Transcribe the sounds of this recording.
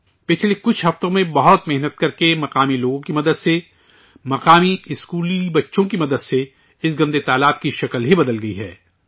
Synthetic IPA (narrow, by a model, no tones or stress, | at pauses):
pɪt͡ʃʰlekʊt͡ʃʰɦɐft̪õmẽbɐɦʊt̪mɪɦnət̪̚kɐɾkemɐqaːmiloːɡõkimɐd̪əd̪se | mɐqaːmiɪskuːlibɐtːʃõkimɐd̪əd̪se | ɪsɡɐ̃nd̪et̪aːlaːb̚kiʃɐklɦibɐd̪əlɡɐiɦɛ̰ː